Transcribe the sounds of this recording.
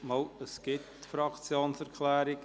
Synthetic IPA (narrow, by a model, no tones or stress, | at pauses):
mɑləsɡ̥ɪtfɾɑkt͡sjoːnsɛɾkʰlɛːɾɪk